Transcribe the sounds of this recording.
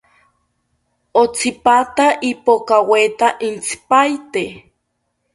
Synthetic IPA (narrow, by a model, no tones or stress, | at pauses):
ot͡sipat̪aʔipokawet̪aʔint͡si̥pajt̪e